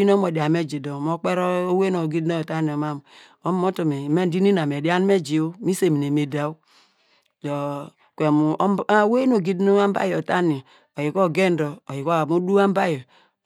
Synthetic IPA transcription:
i˦n˦o˦mo˨da˨˦me˦d͡ʒi˨do˨m˦o˦k͡pe˦ɾo˦o˦we˦no˨ɡi˦dno˦˨ta˦ni˨o˨ma˦m˨ | o˦m˦o˦to˨me˨˦me˦n˦di˦ni˦n˨a˨m˨e˨di˦a˦n˦me˦d͡ʒi˨o˦mi˦se˦˨mi˨ne˨me˨da˨u˦ | do˨ | kʷe˨mu˨˦we˦no˨ɡi˦dnu˦a˦m˦ba̰˦jo˨ta˦ni˨ | o˨ji˨ko˦˨ɡe˦n˦do˨o˨ji˨ko˦˨mu˦du˦a˦m˦ba˦jɔ˨

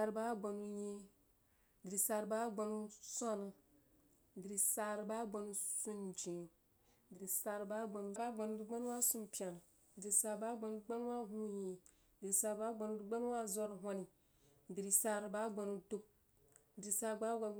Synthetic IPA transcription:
a˨ɾba˦ɡ͡ba˨nu˨˦je˦ | di˨ɾi˨sa˨ɾba˦ɡ͡ba˨nu˦sɔ˦nɨ˨ | di˨ɾi˨sa˨ɾba˦ɡ͡ba˨nu˦su˦nd͡ʒĩ˨ | di˨ɾi˨sa˨ɾba˦ɡ͡ba˨nu˦ba˦ɡ͡ba˨nu˦du˦ɡ͡ba˦nu˦wa˦su˦mpi˦a˨n˨ | di˨ɾi˨sa˨ɾba˦ɡ͡ba˨nu˦ɡ͡ba˦n˦wa˦ɦũ˦je˨ | di˨ɾi˨sa˨ɾba˦ɡ͡ba˨nu˦du˦ɡ͡ba˦n˦wa˦zo˦ɾɦʷo˦ni˨ | di˨ɾi˨sa˨ɾba˦ɡ͡ba˨nu˨˦du˦p̚ | di˨ɾi˨sa˨ɾɡ͡ba˦ɡ͡ba˨n˦

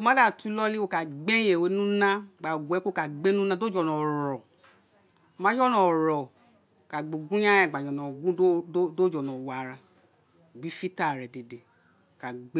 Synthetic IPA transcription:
o˧˦mã˦da˦˨tu˦lɔ˦li˦o˧˨ka˨ɡ͡be˦je˨we˨˦nũ˦nã˦˨ɡ͡ba˨ɡʷɛ˨˦ko˦˨ka˨ɡ͡be˦nũ˦nã˦do˦d͡ʒɔ˨nɔ̃˨ɾɔ˨ | mã˨˦d͡ʒɔ˦nɔ̃˨ɾɔ˨ | o˨ka˨ɡ͡bo˨ɡũ˦ɲã˦ja˦˨ɡ͡ba˨d͡ʒɔ̃˨nɔ̃˨ɡũ˦do˦˨d͡ʒɔ˨nɔ̃˨wa˨ɾa˧˨ | ɡ͡bi˨˦fi˦ta˦˨ɾɛ˨de˨de˨ | o˨ka˨ɡ͡be˦

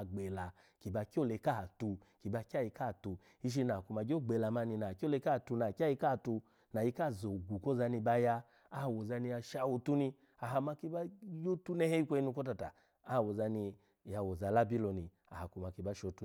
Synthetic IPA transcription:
ɡ͡bɛ˨la˨ | ki˨ba˧ki˦ɔ˦˨lɛ˨˧˦ka˦ha˨tu˧ | ki˨ba˧ka˦˨ji˧ka˦˨tu˧ | i˦ʃ̬i˦˧na˨ku˧ma˨d͡ʒo˦˨ɡ͡bɛ˨la˨ma˧ni˧na˨ki˦ɔ˦lɛ˧˦ka˦˨tu˧na˨ka˦ji˧ka˦˨tu˧ | na˨i˧˦ka˦˨zo˨ɡu˨kɔ˦za˧˦ni˧ba˧jaː˧˦˨ | wo˨za˧ni˧ja˧ʃa˧˨wo˧tu˦ni˧ | a˨ɦa˨˧ma˧ki˧ba˦jo˦tu˦nɛ˦hɛ˦i˦kʷɛ˧˦i˧nu˧kɔ˦ta˧˨ta˨ | a˦˨wo˨za˧ni˧ | ja˧wo˨za˨la˦bi˦lɔ˨ni˨ | a˨a˨ku˨ma˨ki˧ba˦ʃɔ˧˦tu˦

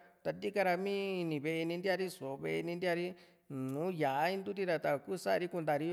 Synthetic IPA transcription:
t̪a˧˨nd̪i˦ka˧ɾa˧mĩ˦i˧nĩ˧βe˧ʔe˧nĩ˧nd̪ja˦˧ɾi˦so˨˧βḛ˧ʔe˧nĩ˧nd̪ja˦˧ɾi˦ | nũː˨˦ja˨˦ĩ˦nd̪u˦t̪̬i˦ɾa˧t̪a˧˨ku˦sa˦ʔɾi˦ku˧nd̪a˧˨ɾi˦

